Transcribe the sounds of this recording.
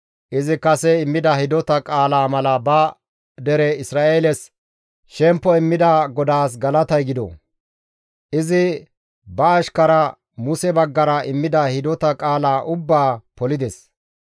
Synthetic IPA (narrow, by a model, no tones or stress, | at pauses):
ʔɪzɪkɐsɛɪmːɪd̪ɐhɪd̪ɔt̪ɐkʼaːlaːmɐlɐbɐ | d̪ɛɾɛɪsɾaːʔeːlɛs | ʃɛmpːɔɪmːɪd̪aɡɔd̪aːs̬ɡɐlɐt̪ɐjɡɪd̪ɔ̰ | ʔɪzɪ | bɐːʃkɐɾɐ | mʊsɛbɐɡːɐɾɐʔɪmːɪd̪ɐhɪd̪ɔt̪ɐkʼaːlaːʔʊbːaːpɔlɪd̪ɛs